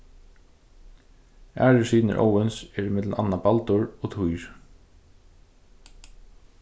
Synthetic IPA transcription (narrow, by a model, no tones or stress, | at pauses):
ʔæ̰ːɹɪsiːnɪ̰ɹʔo̰ːwɪnsɛɹɪmɪt̪lna̰nːabalt̪ʊɹɔt̪ʰujɹ